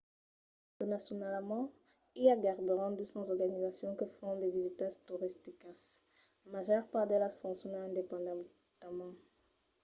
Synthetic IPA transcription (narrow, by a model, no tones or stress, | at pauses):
tənasjɔnalmɑ̃ | iaɡaʁbyʁɑ̃d̪əsɑ̃zɔʁɡanizasjɔ̃kəfɔ̃d̪evizit̪ast̪uʁist̪ikas | maʒœʁpaʁd̪elasɑ̃sjɔ̃naɛ̃d̪epɑ̃d̪ɑ̃ | t̪mɑ̃